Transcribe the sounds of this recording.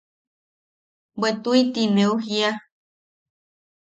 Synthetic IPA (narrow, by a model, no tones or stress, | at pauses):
bwet̪uit̪ineuɦia